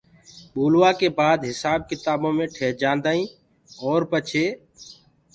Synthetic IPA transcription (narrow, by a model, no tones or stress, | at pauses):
ɓuːlʋaːkeːbaːd̪ɦɪsaːb̚kɪt̪aːbõːmẽːʈʰeːɾd͡ʒãːnd̪aːĩː | ɔːɾpət͡ʃʰeː